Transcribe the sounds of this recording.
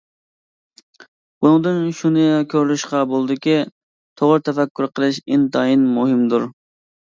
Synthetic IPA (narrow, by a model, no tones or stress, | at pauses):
bunɨŋd̪ɨnʃunɨkʲʰøɾlyʃqɑbolˠd̪ɪkʲi | t̪ʰoʁəɾt̪ʰɛfɛkʲːyɾqʰəlˠɨʃɪnt̪ʰɑinmuɦɪmd̪uɾ